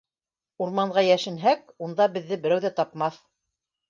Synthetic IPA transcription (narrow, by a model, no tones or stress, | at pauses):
uɾmɑɴʁɑjæʃɘ̆nɦæk̚ | und̪ɑbɘ̆ðːɘbɘ̆ɾæwðæt̪ɑpmɑθ